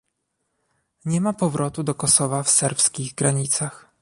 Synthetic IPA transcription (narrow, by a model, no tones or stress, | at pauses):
ɲɛmapɔvɾʔɔt̪ud̪ɔkɔsɔvafsɛɾpskʲiɣɡɾaɲit̪sax